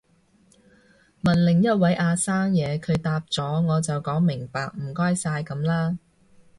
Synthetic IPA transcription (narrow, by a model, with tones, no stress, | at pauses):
mɐ˨˩nlɪ˨˩ŋjɐ˥t̚wɐ˨˥jʔaː˧saː˥ŋjɛː˨˧kʰɵ˨˧ɥt̪aː˧p̚t͡sɔː˨˥ŋɔː˨˧t͡sɐ˨wkɔː˨˥ŋmɪ˨˩ŋpaː˨k̚m̩˨˩kɔː˥jsaː˧jkɐ˨˥mlaː˥